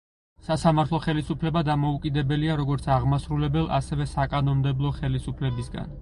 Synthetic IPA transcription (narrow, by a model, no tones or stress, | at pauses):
sasamaɾt̪ʰlˠɔχɛlisupʰlɛbad̪amɔukʼid̪ɛbɛliaɾɔɡɔɾt̪sʰaʁmasɾulɛbɛlˠʔa̰sɛvɛsakʼanɔnmd̪ɛblˠɔχɛlisupʰlɛbisɡa̰n